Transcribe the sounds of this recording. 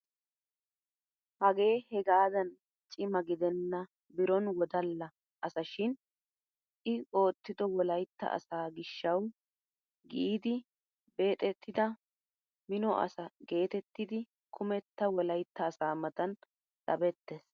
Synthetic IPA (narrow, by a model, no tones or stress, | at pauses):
hɐɡe̞ːhɛɡaːd̪ɐn | t͡ʃʼɪmɐɡɪd̪ɛnːɐ | bɪɾɔnwɔd̪ɐlːɐ | ʔɐsɐʃɪn | ʔɪo̞ːt̪ːɪd̪ɔwɔlɐjt̪ːɐ̰ʔɐ̰saːɡɪʃːɐw | ɡiːd̪ɪ | be̞ːt̪ʼɛt̪ʰːɪd̪ɐ | mɪnɔʔɐ̰sɐɡe̞ːt̪ɛt̪ːɪd̪ɪ | kʰʊmɛt̪ːɐwɔlɐjt̪ːɐːsaːmɐt̪ɐn | ɗɐbɛt̪ːes